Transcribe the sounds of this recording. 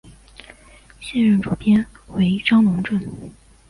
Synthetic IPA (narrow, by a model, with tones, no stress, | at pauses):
ɕjɛ˥˧nɻə˥˩nʈ͡ʂu˨˩pjɛ˥n | we˧˥ɪʈ͡ʂɑ˥ŋlʊ˧˥ŋʈ͡ʂwə˥˩n